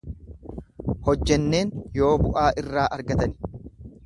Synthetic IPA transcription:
hɔd͡ʒːɛnːe̞ːnjo̞ːbʊʔaːʔɪrːaːʔɐɾɡɐt̪ɐnɪ̥

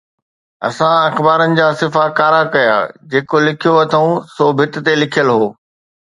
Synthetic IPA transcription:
ɐ̰sãɐxbaːɾənɪ̆d͡ʑaːsɪfakaːɾakɐja̰ːd͡ʑeːkolɪkʰijoɐt̪ʰɐũsoːbʱɪt̪̆t̪elɪkʰjəlɦoː

